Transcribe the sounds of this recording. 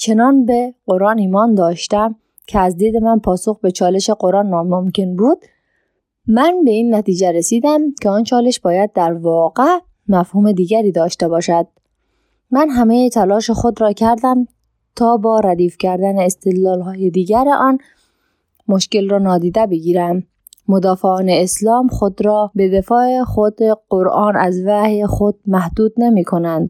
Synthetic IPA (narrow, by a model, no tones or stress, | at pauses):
t͡ʃʰe̞nɒːnbeɢo̞ɾɒːniːmɒːnd̪ɒːʃt̪æm | cʰeæzd̪iːd̪e̞mænpʰɒːso̞xbe̞t͡ʃʰɒːle̞ʃe̞ɢo̞ɾɒːnmɔːmomcʰe̞nbuːd̪̥ | mænbe̞iːnːæt̪iːd͡ʒeɾesiːd̪æmcʰeɒːnt͡ʃʰɒːle̞ʃbɒːjæd̪̚ːæɾvɒːɣe | mæfhuːme̞d̪iːɡæɾiːd̪ɒːʃt̪ebɒːʃæd̪̥̚ | mænɦæmejet̪ʰælɒːʃexo̞d̪ɾɒːcʰæɾd̪æm | t̪ʰɒːbɒːɾæd̪iːfcʰæɾd̪æneːst̪ed̪lɒːlɦɒːjed̪iːɡæɾeʔɒːn | moʃce̞lrɒːnɒːd̪iːd̪ebeɡiːɾæm | mod̪ɒːfeɒːneːslɒːmxod̪ɾɒːbe̞d̪e̞fɒːexod̪eɡ̥oɾʔɒːnæzvæhexod̪̥̚mæhd̪uːd̪nemiːkʰo̞nænd̪̥